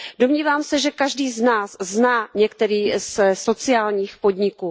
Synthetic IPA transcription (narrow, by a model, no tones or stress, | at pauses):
domɲiːvaːmsɛʒɛkaʒdiːznaːsznaːɲɛkt̪ɛɾiːsso̞t͡sɪaːlɲiːxpo̞dɲɪkuː